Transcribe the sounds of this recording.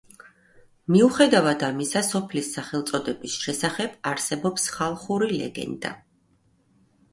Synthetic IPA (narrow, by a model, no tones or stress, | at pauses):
miuχɛd̪avad̪amisasɔpʰlisːaχɛlˠt̪sʼɔd̪ɛbisʃɛsaχɛb̥aɾsɛbɔpsχalˠχuɾilɛ̰ɡɛ̰nd̪a̰